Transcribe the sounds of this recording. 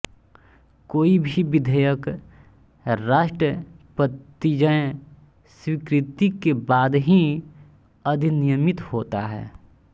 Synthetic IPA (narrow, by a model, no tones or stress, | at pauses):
koːibʱiʋɪd̪ʱəjək | ɾaːʃʈɾəpət̪ːid͡ʒə | swikɾɪt̪ikebaːd̪ɦĩ | ɐd̪ʱinijəmɪt̪hoːt̪a̰ɦɛ̰ː